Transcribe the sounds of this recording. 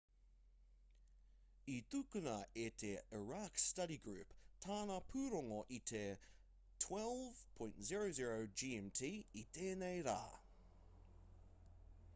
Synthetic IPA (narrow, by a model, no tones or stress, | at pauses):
it̪ukunɐʔetʰeiɹakstɐɾiɡɹʉ̰ptʰaːnɐpʰʉɾɔŋoʔit̪ʰe | tʰwɛlˠv̥pʰɔ̃jntziɹoziɹoʊd͡ʒiːɛmtʰiitʰenejɾa̰ː